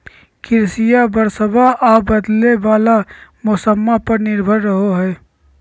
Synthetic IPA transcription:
kɪɾsɪjabəɾsəbʱaʔaːbəd̪leʋaːlamʊsəmːapəɾnɪɾbʱəɾːəɦoɦɛː

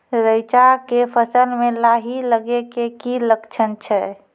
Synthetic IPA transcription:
ɾəjt͡ʃakepʰəsəlmelaɦiləɡekekiləkt͡ʃʰənt͡ʃʰɛ

